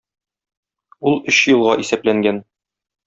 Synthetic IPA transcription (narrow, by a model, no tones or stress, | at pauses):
ulˠɵɕjɤ̆lˠʁɑʔisæplæŋɡæn